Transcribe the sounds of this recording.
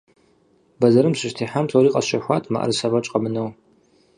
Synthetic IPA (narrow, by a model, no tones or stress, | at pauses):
bɐzɐɾɨmɕɪʃtʰiːħamtʰoɾiːqʼɐɕʃɐħʷaːtʰʼma̰ʔɐ̰rɨsɐvɐt͡ʃʼqʼɐmɨnɐw